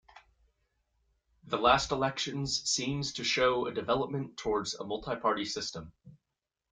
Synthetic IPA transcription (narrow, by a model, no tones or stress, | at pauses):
ðəlˠæstəlˠɛkʃɨ̃nz̥sĩmz̥tʰɨʃoʊədɨvɛlˠəp̚mə̃ntʰɔɹdz̥ə̰mʌlˠtʰaɪpʰɑɹɾisɪstə̃m